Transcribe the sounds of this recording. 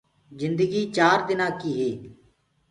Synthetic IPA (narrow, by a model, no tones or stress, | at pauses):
zɪ̃nd̪əɡiːt͡ʃaːɾd̪ɪnãːkiːɦeː